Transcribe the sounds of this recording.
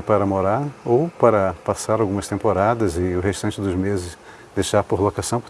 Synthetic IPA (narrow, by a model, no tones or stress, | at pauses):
paɾɐmoɾaɾowpaɾɐpasaɾawɡũmɐst̪ẽmpoɾad̪ɐzɪʊɦest̪ɐ̃nt͡ʃɪd̪ʊzmezɪs | d̪ejʃaɾpoɾlokasɐ̃w̃p